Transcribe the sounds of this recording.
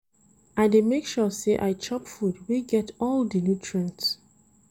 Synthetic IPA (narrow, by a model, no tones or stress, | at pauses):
ʔaɪdemekʃɔseʔa̰ɪt͡ʃʰɔpfudwiɡɛtʰɔldinutʰɹə̃nt